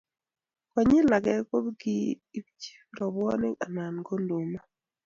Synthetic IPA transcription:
kɔ˨ɲɪ˦la˨ɡɛ˦ko˦bɡi˦ | t͡ʃi̥˦ɾɔ˨bwɔ˦nɪ˦a˨na˨nɡo˦ndo˨ma˦

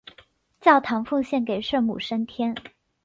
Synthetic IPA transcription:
t͡ɕjɑ˥˩ʊt̪ʰɑ˧˥ŋfu˥˧ŋɕjɛ˥˩nke˨˩ɪʂə˥˧mṵ˨˩ʂə˥nt̪ʰjɛ˥n

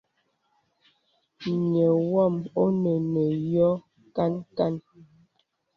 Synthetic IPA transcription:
ɲɛ˨wɔ˦˨mo˦nə˨nə˨jɔ˦ | ka˦nka˦˨n

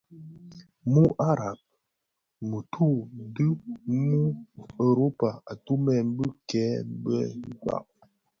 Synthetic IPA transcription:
mu˦ʔa˦ɾa˨p̚ | mə˨tʰu˦˨˦dɨ˦mu˦ə˨ɾo˦pa˨a˨tu˦mɛ˦˨m̩˦bə˦kɛː˨˦m̩˦bə̰˦ŋ˦ka̰˦˨ʔ

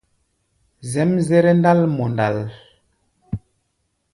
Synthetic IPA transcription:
zɛ˨˦mzɛ˦ɾɛ˦nda˦lmɔ˨nda˨l

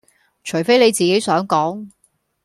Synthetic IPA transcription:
t͡ʃʰɵ˨˩ɥfe˥jne˨˧jt͡siː˨ke˨˥jsœː˨˥ŋkɔː˨˥ŋ

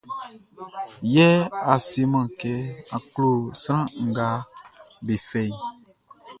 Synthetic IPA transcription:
jɛ˦a˨si˦mã˨kɛ˦ã˨klo˦˨sɾã˦ŋ̩˨ɡa˦be˨fɛ˨i˨

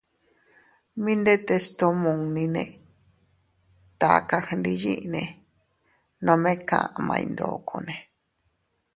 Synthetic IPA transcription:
mĩ˦nd̪e˦t̪e˧st̪o˦mũ˨ŋnĩ˧nẽ˧˨ | t̪a˨ka˧hndi˧jḭ̃˦ʔnẽ˨ | nõ˧mẽ˦kã̰˧˨ʔa˨mã̰˧ḭ̃˧nd̪o̰˨ko˧nẽ˨

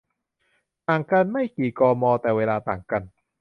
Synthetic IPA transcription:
t̪aː˨˩ŋka˧nma˥˩jkiː˨˩kɔː˧mɔː˧t̪ɛː˨˩weː˧laː˧t̪aː˨˩ŋka˧n

